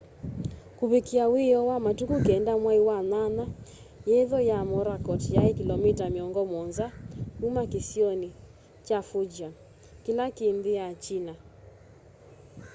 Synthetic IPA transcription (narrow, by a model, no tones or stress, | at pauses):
kuβekiawejɔwamatukukeɛndamwaiwanana | jeðɔjamɔɾakɔtjaekilɔmitameɔŋɡɔmɔnzaumakesiɔni | t͡ʃafod͡ʒa | kelakeːmbeat͡ʃina